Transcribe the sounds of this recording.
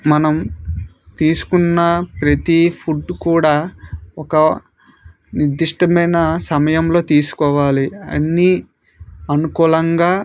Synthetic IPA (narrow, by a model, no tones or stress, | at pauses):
mɐnɐm | t̪iːsu̥kunːɐpɾɐt̪ipʰuɖkuːɽaːɔkɐ | niɾd̪ːiʂʈɐmɐjnɐsɐmɐjɐmlo̞ːt̪iːsu̥kɔːʋaːliɐ̰nːi | ɐnukuːlɐŋɡaː